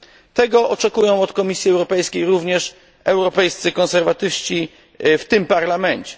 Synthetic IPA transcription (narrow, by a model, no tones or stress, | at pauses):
t̪ɛɡɔʔɔt͡ʂɛkujɔ̃w̃ɔt̪kɔmʲisʲjiɛwɾɔpɛjskʲejɾuvɲɛʂ | ɛwɾɔpɛjst̪sɘkɔnsɛɾvat̪ɘfɕt͡ɕi | ft̪ɘmpaɾlamɛɲt͡ɕɛ̥